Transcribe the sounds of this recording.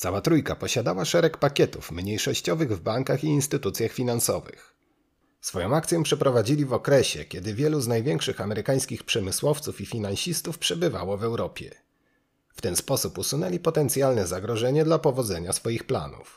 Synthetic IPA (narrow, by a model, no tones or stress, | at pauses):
t̪sawat̪ɾujkapɔɕad̪awaʂɛɾɛkpakʲɛt̪ṵfmɲejʂɔɕt͡ɕɔvɘɣvbaŋkaxiːnst̪ɘt̪ut̪sʲjaxfʲinansɔ̰vɘ̰x | sfɔjɔ̃w̃akt̪sʲjɛpʂɛpɾɔvad͡ʑilʲivɔkɾɛɕɛ̰kʲɛd̪ɘvʲjɛluznajvʲjɛŋkʂɘxamɛɾɘkaj̃skʲixpʂɛmɘswɔft̪sufifʲinanɕist̪ufpʂɛbɘva̰wɔvɛwɾɔpʲjɛ̰ | ft̪ɛnspɔsupusunɛlʲipɔt̪ɛnt̪sʲjalnɛzaɡɾɔʐɛɲɛd̪lapɔvɔd̪zɛɲasfɔjixpla̰nṵf